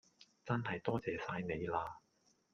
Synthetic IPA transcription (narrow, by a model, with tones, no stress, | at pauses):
t͡sɐ˥nɦɐ˨jt̪ɔː˥t͡sɛː˨˧saː˧jne˨˧jlaː˧